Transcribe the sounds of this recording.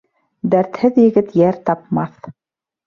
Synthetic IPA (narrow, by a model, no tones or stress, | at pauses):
d̪æɾt̪hɘðjɘ̆ɡɘt̪jæɾt̪ɑp̚mɑθ